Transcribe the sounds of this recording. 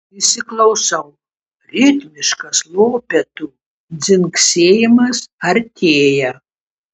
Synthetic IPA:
ɪsʲɪklˠɐʊsɐʊ | ɾʲɪt̪ʲmʲɪʃkɐslˠoːpʲɛt̪u | d̪zʲɪŋksʲeːjɪmɐsɐɾʲt̪ʲʰeːjɛ

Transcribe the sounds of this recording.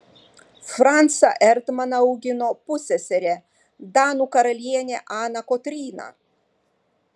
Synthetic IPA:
fɾɑnt̪sɐʔɛɾt̪mɐnɐɐʊɡʲɪnopʊsʲɛsʲɛɾʲe | d̪ɑːnuːkɐɾɐlʲiɛnʲeʔɑːnɐkɔt̪ʲɾʲiːnɐ̰

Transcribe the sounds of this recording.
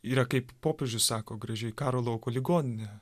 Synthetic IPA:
iːɾɐkɐɪppoːpʲeːʒʲʊssɑːkoːɡɾɐʒʲɛɪkɑːɾoːlˠɐʊkoːlʲɪɡoːnʲɪnʲɛ

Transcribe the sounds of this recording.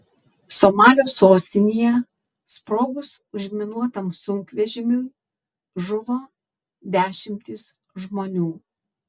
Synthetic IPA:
somɑːlʲoːsoːsʲt̪ʲɪnʲijɛ | spɾoːɡʊs | ʊʒʲmʲɪnuɔt̪ɐmsʊŋʲkʋʲɛʒʲɪmʲuː | ʒʊʋoː | d̪ʲæːʃʲɪmʲt̪ʲɪs | ʒmoːnʲuː

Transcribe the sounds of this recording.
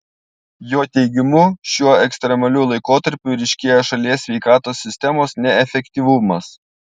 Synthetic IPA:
joːt̪ʲɛɪɡʲɪmʊʃʲuɔɛksʲt̪ʲɾʲɛmɐlʲuːlˠɐɪkoːt̪ɐɾʲpʲʊːɾʲɛɪʃʲkʲeɛjoʃɐlʲiɛʋʲɛɪkɑːt̪oːsʲːɪsʲt̪ʲɛmoːsnʲɛɛfʲɛkʲt̪ʲiʋʊmɐs

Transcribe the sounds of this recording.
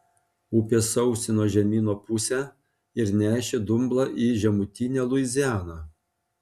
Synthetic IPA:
upʲeːsɔʊsʲɪnoːʒʲɛmʲiːnoːpʊsʲæː | ɪɾnʲæːʃʲed̪ʊmblˠɑːʔiːʒʲɛmʊt̪ʲɪnʲɛːlˠʊɪzʲæːnɑː

